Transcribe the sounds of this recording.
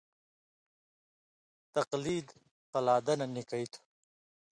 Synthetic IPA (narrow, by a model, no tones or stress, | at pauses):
t̪ɐqliːd̪ | qɐlaːd̪ɐnɐnikɐit̪ʰu̥